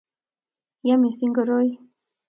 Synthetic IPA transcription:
ja˦mi˨si˦ŋɡo˨ɾo˦j

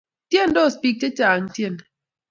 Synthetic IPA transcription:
tjɛ˦˨ndɔ˦˨spi˦k̚te˦t͡ʃa˨a˨n̩˦tjɛ˦˨n

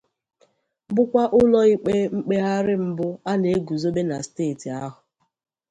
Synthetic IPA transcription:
bʊ˦kʷa˦ʔʊ˦lɔ˦i˦k͡pe˦ŋ͡m̩˦k͡pe˦ɦa˦ɾɪ˦m̩˦bʊ˦a˦ne˨˦ɡu˨zo˦be˦na˨steː˦˨ti˨a˦ɦʊ˨

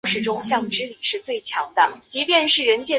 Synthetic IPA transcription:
ʂɻ̩˧˥˩ʈ͡ʂʊ˥ŋɕjɑ˥˩ŋʈ͡ʂɻ̩˥li˨˩ʂɻ̩˥˧t͡swe˥˩ɪt͡ɕʰjɑ˧˥ŋd̪ə˧t͡ɕi˧˥pjɛ˥˧nʂɻ̩˥˩ɻə˧˥nt͡ɕjɛ˥˩

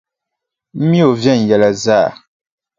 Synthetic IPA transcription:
m̩˦mi˦o˨vjɛ˦˨n̩˨jɛ˨la˨za˦˨

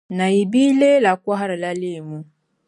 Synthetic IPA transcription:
na˨i˨bi˦le˦la˨kwa˦ɦa˦ɾa˨la˦li˦˨mu˦

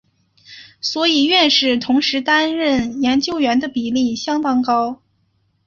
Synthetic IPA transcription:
swɔ˧˥i˨˩ɥɛ˥˧nʂɻ̩˥˩t̪ʰʊ˧˥ŋʂɻ̩˧˥t̪a˥nɻə˥˩njɛ˧˥nt͡ɕjo˥ʊɥɛ˧˥nd̪ə˧pi˨˩li˥˩ɕjɑ˥ŋt̪ɑ˥ŋkɑ˥ʊ

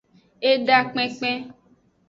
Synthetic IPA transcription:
e˦ɖa˦k͡pɛ̃˦k͡pɛ̃˦

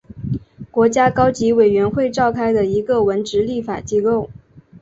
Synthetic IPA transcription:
kwɔ˧˥t͡ɕja˥kɑ˥ʊt͡ɕi˧˥we˨˩ɪɥɛ˧˥nxwe˥˧ɪʈ͡ʂɑ˥˩ʊkʰa˥ɪd̪ə˨i˧˥ɡə˧˨wə˧˥nʈ͡ʂɻ̩˧˥li˥˩fa̰˨˩t͡ɕi˥ko˥˩ʊ

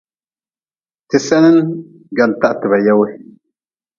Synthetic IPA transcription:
ti˨sɛ˦nɛ˦n | ɡa˨nta˦ʔtɨ˨βa˨ja˦wɪ˦

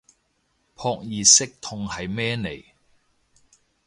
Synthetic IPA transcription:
pʰɔː˧k̚jiː˨˩sɪ˥k̚t̪ʰʊ˧ŋhɐ˨jmɛː˥ne˨˩j

